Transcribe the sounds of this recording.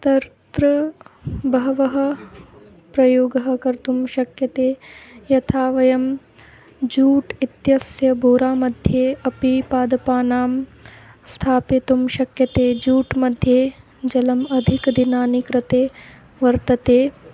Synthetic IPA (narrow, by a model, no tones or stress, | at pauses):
t̪ɐɾt̪ɾɐ | bɐɦɐʋɐɦɐ̆ | pɾɐjoːɡɐɦɐ̆kɐɾt̪umʃɐkjɐt̪eːjɐt̪ʰaːʋɐjɐm | d͡ʒuːʈit̪jɐsjɐbʱoːɾaːmɐd̪ʱjeːɐpipaːd̪ɐpaːnaːm | st̪ʰaːpit̪umʃɐkjɐt̪eːd͡ʒuːʈmɐd̪ʱjeː | d͡ʒɐlɐmɐd̪ʱikd̪inaːnikɾɐt̪eː | ʋɐɾt̪ɐt̪eː